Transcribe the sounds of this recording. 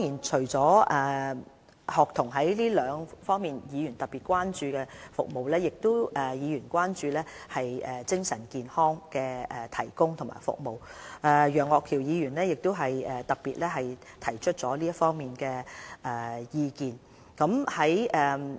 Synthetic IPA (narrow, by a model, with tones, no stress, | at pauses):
ŋjiː˨˩nt͡ʃʰɵ˨˩ɥt͡sɔː˨˥ɛː˨˩ | hɔː˨k̚t̪ʰʊ˨˩ŋɦɐ˨˥jliː˥lœː˨˧ŋfɔː˥ŋmiː˨njiː˨˧jyː˨˩nt̪ɐ˨t̚piː˨t̚kʷaː˥nt͡ʃyː˧kɛː˧fʊ˨k̚mo˨wlɛː˥jɪ˨k̚t̪o˥wɛː˨˩jiː˨˧jyː˨˩nkʷwaː˥nt͡ʃyː˧lɛː˥hɐ˨jʔɛː˨t͡sɪ˥ŋsɐ˨˩nkiː˨nhɔː˥ŋkɛː˧ɛː˨t̪ʰɐ˨˩jkʊ˥ŋt̪ʰʊ˨˩ŋma̰ː˨˩jfʊ̰˨k̚mo˨wʔɛː˨˧jœː˨˩ŋɔː˨kʰiː˨˩wjiː˨˧jyː˨˩nlɛː˥jɪ˨k̚t̪o˥wɦɐ˨jɛː˨˩t̪ɐ˨piː˨t̚lɛː˥ɦɐ˨jt̪ʰɐ˨˩jt͡ʃʰɵ˥t̚t͡sɔː˨˥liː˥jɐ˥fɔː˥ŋmiː˨nkɛː˧ʔɛː˨˩jiː˧kiː˨n | kɐ˨˥mhɐ˨˥jʔɛː˨˩